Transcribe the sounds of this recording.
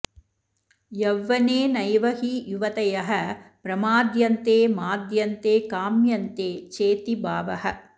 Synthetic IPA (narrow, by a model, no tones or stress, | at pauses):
jɐʋːɐneːnɐjʋɐɦijuʋɐt̪ɐjɐɦɐpɾɐmaːd̪jɐnt̪eːmaːd̪jɐnt̪eːkaːmjɐnt̪eːt͡ʃeːt̪ibaːʋɐhɐ